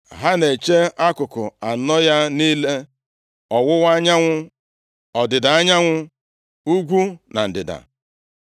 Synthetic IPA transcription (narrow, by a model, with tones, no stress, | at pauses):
ɦa˦ne˨t͡ʃe˦a˦kʊ˨kʊ˨a˨nɔ˦ja˦niː˦le˦ | ɔ˨wʊ˦wa˦ɲa˦ŋʷʊ˦ | ɔ˨dɪ˨da˨a˦ɲa˦ŋʷʊ˦ | u˦ɡʷu˦na̰˨n̩˨dɪ̰˨da̰˨